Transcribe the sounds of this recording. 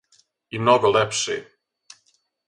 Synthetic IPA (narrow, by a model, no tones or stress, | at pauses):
imnoɡolɛpʃḛ